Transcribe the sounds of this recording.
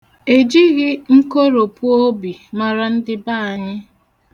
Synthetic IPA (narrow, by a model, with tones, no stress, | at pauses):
e˨d͡ʒi˦ɣɪ˦ŋ̩˦ko˦ɾo˨pu˦o˦bi˨ma˨ɾa˨n̩˦dɪ˦ba˦a˨ɲɪ˦